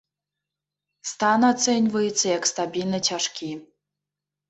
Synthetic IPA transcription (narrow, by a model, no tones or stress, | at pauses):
st̪anat̪senʲvɐjɛtsʰːɐjakst̪abʲilnɐt͡ɕʰʲaʂkʲi